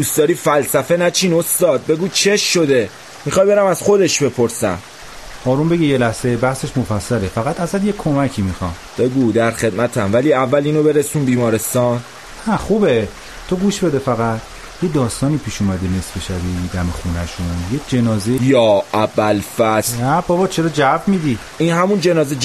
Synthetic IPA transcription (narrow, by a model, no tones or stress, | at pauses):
d̪ust̪d̪ɒːɾiːfælsæfe̞næt͡ʃʰiːnost̪ɒːd̪̚be̞ɡuːt͡ʃʰeʃːo̞d̪e | mixɒːjbe̞ɾæmæz̥xo̞d̪e̞ʃbe̞pʰoɾsæ̰m | hɒːɾumbe̞ɟijelæhsebæhse̞ʃmofæsːælefæɣæt̪ʰæzæt̪jekʰo̞mæcʰiːmixɒmb̥eɡuːd̪æɾχe̞d̪mæt̪ʰæmvæliːævːæliːnobe̞ɾesunbiːmɒːɾe̞st̪ɒːn | hæχuːbe | t̪ʰoɡuːʃbe̞d̪e̞fæɣæt̪ʰ | jed̪ɒːst̪ɒːniːpʰiːʃuːmæd̪ene̞sbeʃæbid̪æmexuːnæʃunjekʰd͡ʒe̞nɒːzejɒːʔæbælfæsnæbɒbɒːt͡ʃʰeɾɒːd͡ʒævmiːd̪i | iːnɦæmund͡ʒe̞nɒːzed͡ʒ